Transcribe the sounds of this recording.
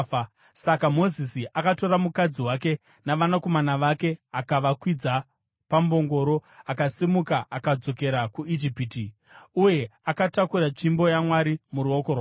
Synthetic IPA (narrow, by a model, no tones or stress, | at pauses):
sakamo̞zisiʔakato̞ɾamukad͡ziwake̞ | naʋanako̞manaʋake̞akaʋakwid͡za | pambo̞ŋɡo̞ɾo̞akasimukaʔakad͡zo̞ke̞ɾakuid͡ʒipiti | uje̞akatakuɾat͡ʃimbo̞jamwaɾimuɾuokor